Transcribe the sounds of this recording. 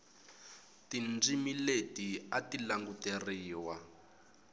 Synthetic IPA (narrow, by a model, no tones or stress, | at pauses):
tind͡zimiletiatilaŋɡuteriːwa